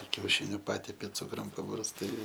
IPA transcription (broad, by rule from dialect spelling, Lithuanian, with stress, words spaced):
kʲɛʊˈʃʲɪnʲʊ ˈpɑːtʲɛpʲɪ ˈt͡sʊkrʊm pɐbɐrsˈtɐɪ